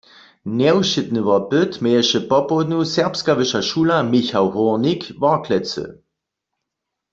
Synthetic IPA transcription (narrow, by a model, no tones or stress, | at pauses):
nɛwʃɪtnəʋapøtmɛːɛʃəpɔpod̪nusɛɐpskaʋəʃaʃuːlamiçawhɔnikʋakʰlɛt͡sə̰